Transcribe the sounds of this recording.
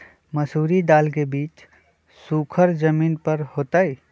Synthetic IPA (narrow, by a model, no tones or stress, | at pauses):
məsuːɾid̪aːlk̬ebiːt͡ʃ | sukʰəɾd͡ʒəmiːnpəɾhoːt̪ai